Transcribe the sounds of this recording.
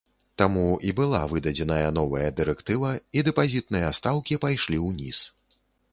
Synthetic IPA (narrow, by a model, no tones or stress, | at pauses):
t̪amuibɨlˠa̰vɨd̪ɐd͡zʲɛnɐjɐnɔvɐjɐd̪ɨɾɛkt̪ɨvɐid̪ɛpazʲit̪̚nɨjɐst̪awkʲipajʂlʲiwnʲḭs